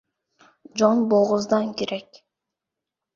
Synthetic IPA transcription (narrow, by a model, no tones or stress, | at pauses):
d͡ʒonboʁʊzd̪ɑŋkeɾʔek